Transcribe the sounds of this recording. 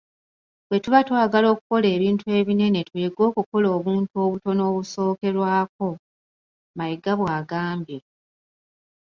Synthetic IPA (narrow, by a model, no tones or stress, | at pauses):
βwe̞tuβatwaːɡalo̞ːkuko̞le̞ːβiːntue̞ːβine̞ne̞tujeɡo̞ːkukolo̞ːβuːntuo̞βuto̞noːβuso̞ːke̞ɾwaːk̚o̞ | majiɡaβwaːɡaːmbje̞